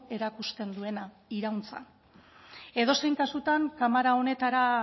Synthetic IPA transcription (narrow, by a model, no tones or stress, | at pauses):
e̞ɾakust̪e̞nd̪ue̞na | iɾawnt͡sa̰ | e̞ðo̞se̞jŋkasut̪aŋkamaɾao̞ne̞t̪aɾa